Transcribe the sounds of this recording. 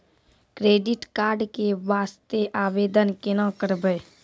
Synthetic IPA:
kɾeːɖɪʈkaːɾɖkeʋaːst̪eʔaːʋeːd̪ənkɪnãkəɾbəː

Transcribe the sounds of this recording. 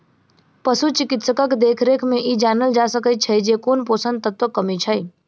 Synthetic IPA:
pɐsut͡ʃɪkɪt̪səkəkd̪eːkʰɾeːkʰmẽʔiːd͡ʒaːnəld͡ʒaːsəkəit͡ʃʰɐid͡ʒeːkoːnpoːsə̃nd̪̚t̪ɐt̪wəkːɐmit͡ʃʰəi

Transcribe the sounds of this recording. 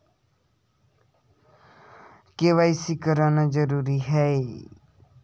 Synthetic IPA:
keʋaːɪsikəɾaːnad͡ʒəɾuːɾiɦɛe

